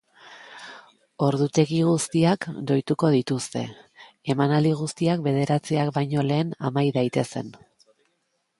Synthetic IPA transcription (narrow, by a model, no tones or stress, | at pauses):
o̞ɾðut̪e̞ɣiɣ̞ust̪iakd̪o̞jt̪uko̞ðit̪ust̪e̞̰ | e̞manald̪iɣ̞ust̪iak̚be̞ð̞e̞ɾat͡siakbajɲo̞le̞ːna̰majðajt̪e̞se̞n